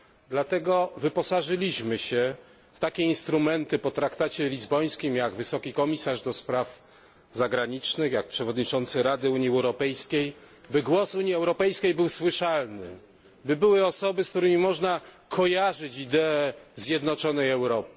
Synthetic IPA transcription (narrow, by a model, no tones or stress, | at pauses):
d̪lat̪ɛɡɔvɘpɔsaʐɘlʲiɕmɘɕɛ | ft̪akʲɛinst̪ɾumɛnt̪ɘpɔt̪ɾakt̪at͡ɕɛlʲizbɔj̃skʲimjaɡvɘsɔkʲikɔmʲisaʐd̪ɔspɾaf | zaɡɾaɲit͡ʂnɘxjak̚pʂɛvɔd̪ɲit͡ʂɔnt̪sɘɾad̪ɘuɲiɛwɾɔpɛjskʲej | bɘɡwɔsuɲiɛwɾɔpɛjskʲejbɘwswɘʂalnɘ̰ | bɘbɘwɘɔsɔbɘskt̪uɾɘmʲimɔʐna | kʰɔjaʐɘt͡ɕid̪ɛːzʲjɛd̪nɔt͡ʂɔnɛjɛwɾɔp̚ɘ̥